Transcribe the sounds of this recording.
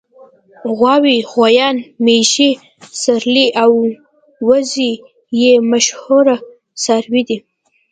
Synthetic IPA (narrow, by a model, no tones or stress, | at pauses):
ɣwɑwiɣwajɑnmeʒi | saɾliʔaw | wazi | jemaʃhuɾa | saɾwid̪i